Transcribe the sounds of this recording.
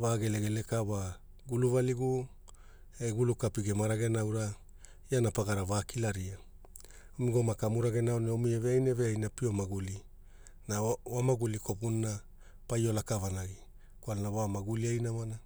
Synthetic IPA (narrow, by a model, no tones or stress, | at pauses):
vaɡe̞leɡe̞le̞kaβa | ɡuluvaliɡu | eɡulukapiɡemaɾaɡe̞nawɾa | ianapaɡaɾavaːkilaɾia | omiɡomakamuɾaɡe̞naoneomieveajneveajnapiomaɡuli | naamaɡuliko̞punːa | pajo̞lakavanaɡi | kwalnawamaɡuliajnamana